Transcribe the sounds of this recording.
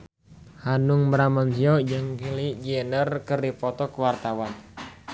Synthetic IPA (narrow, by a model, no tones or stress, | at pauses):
hanuŋbəɾamansiɔd͡ʒaŋkilid͡ʒiɛnərkərdipɔt̪ɔkəwart̪awan